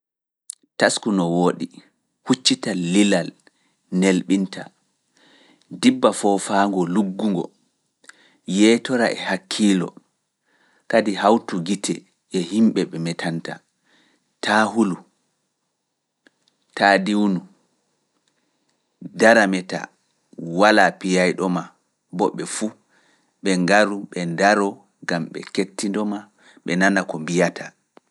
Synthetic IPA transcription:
taskunɔwoːɗi | hut͡ʃːitaːilal | nelɓintʰa̰ | dibːafɔfaːŋɡɔluɡːuŋɡɔ̰ | jɛtɔɾa̰ʔɛ̰hakʰːiːlɔ̰ | kadihawtuɡitɛ | ʔɛhimɓɛɓɛmɛtʰanta | tʰaːhulu | taːdiwnu | daɾamɛta̰ | walapijajɗɔma | bɔɓːɛfu | ɓɛŋɡaɾuɓɛndaɾɔ | ɡamɓɛ̰ketːindɔma | ɓɛnanakɔmbijatʰa

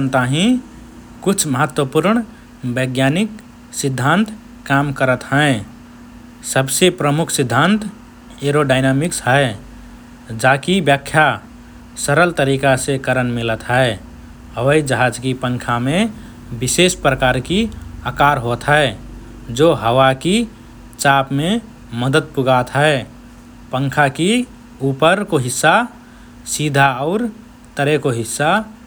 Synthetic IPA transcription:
nt̪aɦĩ | kʊt͡ʃʰməɦət̪wəpuɾɳ | bəɡjanik | sɪd̪ʱːant̪ː | amkəɾət̪ɦɛ̃e | səbsepɾəmʊkʰsɪd̪ʱːãnt̪ | eɾoɖaɪnamɪksɦɛe | d͡ʒaːkibjakʰja | səɾəlt̪əɾikasekəɾənmɪlət̪ɦɛe | ɦəwəid͡ʒəɦad͡ʒkipə̃ŋkʰamẽ | bɪsespɾəkaːɾkiəkaːɾɦot̪ɦɛ | d͡ʒoɦəwaki | t͡ʃapme | məd̪əd̪̚puɡat̪ɦəe | pə̃ŋkʰaki | uːpəɾkoɦɪsːa | sid̪ʱaɔːɾ | t̪əɾekoɦɪsːa

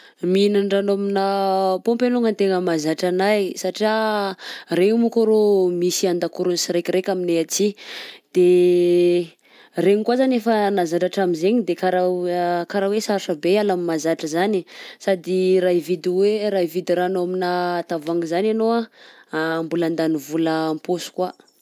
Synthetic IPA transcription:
minaɳɖ͡ʐanominəpompeluŋənt̪eŋəmazaʈ͡ʂanajsaʈ͡ʂia | remukoɾomisiand̪akuɾunsiɾekiɾekʲamineat͡sid̪̥e | reɲikwazanefənazaʈ͡ʂaʈ͡ʂamizeɲid̪ekaɾakaɾawesaɾʂəbealamimazaʈ͡ʂəzanisad̪iraivid̪iweɾaivid̪iɾanoaminat̪avaŋɡizananoaː | mbuland̪anivuləːmposu̥kwa

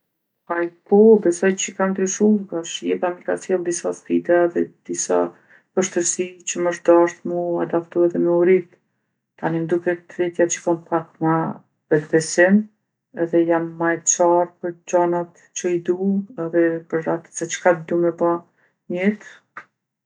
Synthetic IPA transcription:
ajpɔbɛsɔjt͡ɕəkamd̪ɾiʃuɡaʃjɛp̪amikat͡sjɔnd̪isaspid̪aðɛd̪̥isa̰ | pəʃt̪əɾsit͡ɕəməʃt̪d̪aʃt̪muad̪aft̪uɛðɛmɛuɾit̪ | t̪anind̪ukɛt̪ɾɛt̪jat͡ʃə̥kampakma | vɛt̪bɛsim | ɛðɛjamːajt͡ʃaɾpəɾd͡ʑanat̪ | t͡ɕəid̪uɛðɛpəɾɾat̪sɛt͡ʃə̥kad̪d̪umɛba | ɲɛt̪

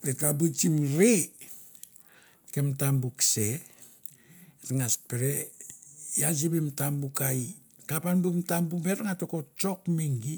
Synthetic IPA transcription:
bekabut͡ʃimɾi | kemtambukse | ɾŋaspeɾe | jasibimtambukai | kapanbumtambubeɾŋatokot͡ʃokmiŋɡi

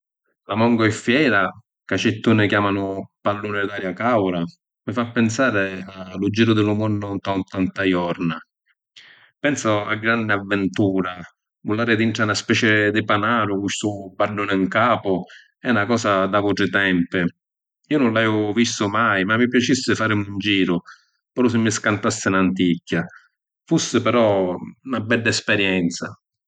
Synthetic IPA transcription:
lamɔŋɡɔɛfːjɛːɾa | kat͡ʃɪt̪ːuːnɪkjaːmanʊpalːuːnɪd̪aːɾjakawɾa | mɪfapːɪnsaːɾɪalud͡ʒːiːɾʊd̪ɪlʊmɔnːʊnt̪ant̪ant̪ajɔɾna | pɛnsʊa̰ɡːɾand̪ɪavːɛnt̪uːɾa | vʊlaːɾɪd̪iɳʈɾanaspɛːt͡ʃɛd̪ɪpanaːɾʊkuʃt̪ubːalːuːnɪŋkaːpʊ | ɛnakɔːsad̪avɔʈɾɪt̪ɛmpɪ | iːonʊnlaɛʊvist̪ʊmajmamːip̬jat͡ʃisːɪfaːɾɪmund͡ʒiːɾʊ | pɛɾɔs̬ɪmːɪskant̪asːɪnant̪̬icʰːa | fusːɪpɛɾɔunabɛlːaɛspɛɾjɛnt̪sa

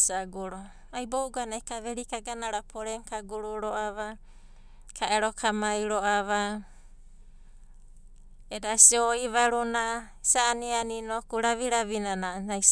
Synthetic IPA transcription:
saɡuɾo | ajbowɡanajkaβeɾikaɡanaɾapʰoɾeŋkaɡuɾuɾoʔaβa | kʰaʔeɾokʰamajɾoaβa | edasioiβaɾuna | saːnianinokuɾaβiɾaβinananajs

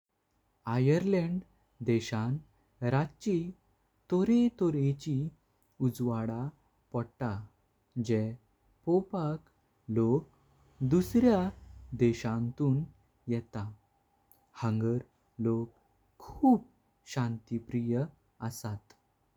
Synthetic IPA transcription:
ajəɾleɳɖ | d̪ɛɕãn | ɾat͡ɕi | t̪ɔɾet̪ɔɾet͡ɕi | ud͡zʋaɽa | pɔɽʈa | d͡ʑɛ | pɔpak | lok̚ | d̪usɾjad̪ɛɕãnt̪uːn | jɛt̪a | həŋɡəɾ | lokʰː | uːp̚ | ɕãnt̪ipɾijə | əsat̪

